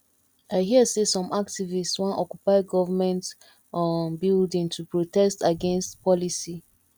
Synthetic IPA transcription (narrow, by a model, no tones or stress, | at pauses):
aɪɦiəsesɔ̃mak̚tivistswɔ̃nʔɔkjupaɪɡɔvəmɛ̃nt | ɔnbildĩŋtʰupɹotɛstaɡɛ̃nstpʰɔlisi